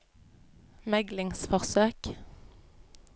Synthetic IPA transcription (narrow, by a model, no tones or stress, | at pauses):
mɛɡlɪŋsfɔʁsøːk